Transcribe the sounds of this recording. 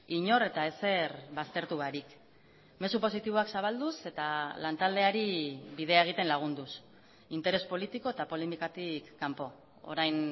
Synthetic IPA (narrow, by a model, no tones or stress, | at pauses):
iɲo̞ɾe̞t̪ae̞se̞ɾβast̪e̞ɾt̪uβaɾik | me̞supo̞sit̪iβ̞oaksaβald̪use̞t̪alant̪ald̪e̞aɾiβið̞e̞ae̞ɣ̞it̪e̞nlaɣ̞und̪us | int̪e̞ɾe̞spo̞lit̪iko̞e̞t̪apo̞lemikat̪ikːampo̞ | o̰ɾajn